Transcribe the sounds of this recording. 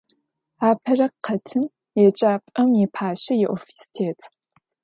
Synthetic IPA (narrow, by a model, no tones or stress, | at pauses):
aːpʰɐrɐqʰɐtʰɨm | jɛt͡ʃʼaːpʼɐmjɛpʰaːɕɐjɛʔofi̥si̥tʰeːtʰ